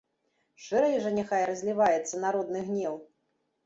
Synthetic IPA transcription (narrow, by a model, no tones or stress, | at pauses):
ʂɨɾɐjʐɐnʲaxajɾɐzʲlʲivajɛt̪sːɐnaɾɔd̪̚nɨɣnʲɛw